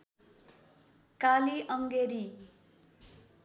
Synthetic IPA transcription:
kaliʔʌŋɡeɾi

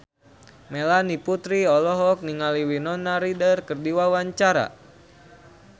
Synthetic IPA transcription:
melaniput̪ɾiɔlɔɦɔk̚niŋaliwinɔnaɾidərkərdiwawaɲt͡ʃaɾa̰

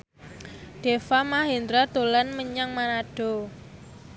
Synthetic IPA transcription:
ɖ̥efamaɦend̪ɾat̪olanməɲaŋmanaɖ̥o̤

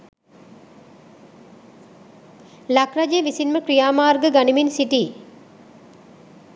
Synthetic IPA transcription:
lakrad͡ʒeʋisinməkɾijaːmaːrɡəɡaniminsiʈiː

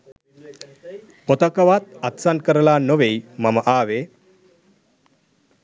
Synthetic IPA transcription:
pot̪əkəʋat̪at̪sankəɾlanoʋejmaməʔaːʋe

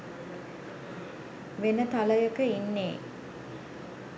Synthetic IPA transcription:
ʋenət̪aləjəkəinːeː

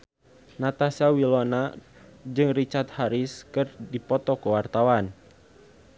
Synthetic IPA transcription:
nat̪asiawilɔna | d͡ʒɨŋrit͡ʃart̪̚haɾiskɨrdipɔt̪ɔkuwart̪awan

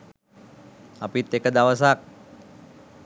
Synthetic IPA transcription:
apit̪ekəd̪awəs̬ak̚

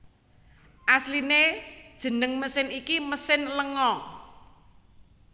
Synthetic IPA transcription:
ʔaslined̥ʒ̥ə̤nəŋməsɪnikiməsɪnləŋɔŋ

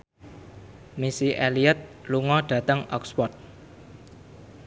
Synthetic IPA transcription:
misiʔeliət̪̚luŋɔɖ̥ä̤t̪əŋɔ̰kspɔt̪̚

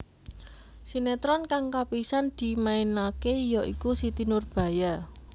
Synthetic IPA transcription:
sinet̪ɾɔnkaŋkapisand̪̥i̤mainakejɔʔikusit̪inʊrb̥ä̤ja

